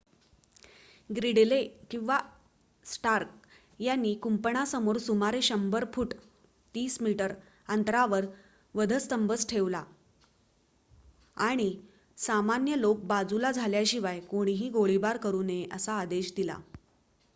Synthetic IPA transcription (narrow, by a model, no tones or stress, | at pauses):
ɡɾiɽlekĩw̃ʋa | sʈaɾk̚ | janːiːkumpəɳasəmoɾsumaɾeɕəmbəɾpʰuʈ | t̪iːsmiʈəɾ | ənt̪ɾaʋəɾ | ʋəd̪ʱəst̪əmbət͡sʈʰeʋla | aɽ̃i | samanjəlok̚bad͡zulad͡zʱaljaɕiʋajkoɽ̃iɦiːɡoɭibaɾkəɾuːneʔəsaːd̪eɕd̪ila̰